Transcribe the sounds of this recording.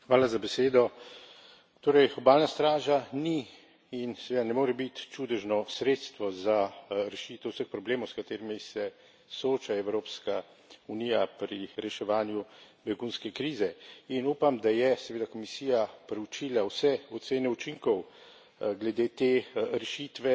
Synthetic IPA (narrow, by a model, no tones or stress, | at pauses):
xʋaːlazabɛseːd̪ɔ | t̪oːɾɛjɔbaːlnast̪ɾaːʒani | insɛʋeːd̪anɛmoːɾɛbit̪t͡ʃud̪ɛʒnɔsɾeːt̪st̪ʋɔzaɾɛʃiːt̪ɛwsəxpɾɔbleːmɔwskat̪eːɾimisɛ | soːt͡ʃaɛwɾoːpska | unijapɾiɾɛʃɛʋaːnjubɛɡunskɛkɾiːzɛinuːpamd̪ajɛsɛʋeːd̪akɔmisiːjapɾɛut͡ʃiːlawsɛɔt̪seːnɛut͡ʃiŋkɔw | ɡlɛd̪eːt̪eːɾɛʃit̪ʋɛ